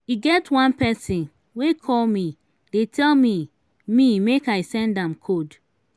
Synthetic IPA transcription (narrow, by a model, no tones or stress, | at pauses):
iɡɛtwãnpɛsĩn | wekʰɔlmi | detʰɛlmi | mimekaɪsɛ̃ndãmkʰod